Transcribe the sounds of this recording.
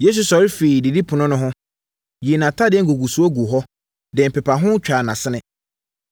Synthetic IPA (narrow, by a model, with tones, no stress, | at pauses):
je˦s̬u˨sɔ˨ɾɪ˦fe˨i˨di˨di˦pʰʊ˨nʊ̃˦nʊ̃˦ɦʊ̃˦ | ji˨e˨nã˨tʰa˦dɪ˨ɛ̃˦ŋ˦ɡo˨ɡu˨su˨˦o˦ɡu˨ɦɔ˦ | dɛ̃˨m̩˨pɛ˨pʰa˨ɦʊ̃˦t͡ɕᶣaː˨nã˨sɪ˦nɪ̃˦